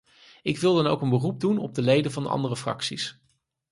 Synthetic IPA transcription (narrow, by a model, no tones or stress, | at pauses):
ɪkʋɪlˠdɑnowkənbərub̚dunɔ̰b̚dəlejdəvɑndəɑ̰ndərəfrɑ̰ksis